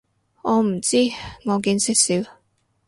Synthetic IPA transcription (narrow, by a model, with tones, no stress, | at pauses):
ɔː˨˧m̩˨˩t͡siː˥ŋɔː˨˧k̬iː˨˥nsɪ˥k̚si˨˥w